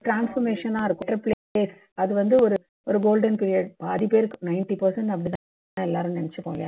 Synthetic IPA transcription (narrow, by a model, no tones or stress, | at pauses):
ʈɾaːnsfɔɾmeːʂɐnːãːɪɾɯkːʊ̃ɾɐpleeːs | ɐðɯʋɐnd̪ɯɔɾɯ | ɔɾɯɡoːlɖɐnpiːɾɪjɐɖpaːðipeːɾkɯnɐɪnʈipɐɾsɐɳʈɐp̬ːɐɽɪt̪ãː | nãːɛlːaːɾɯmnɐnɛt͡ʃːɯpo̰ːŋɡja̰ː